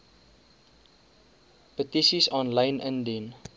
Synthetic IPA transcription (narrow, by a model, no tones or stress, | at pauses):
pətisisɔ̃nlə̃ɪnʔə̃ndin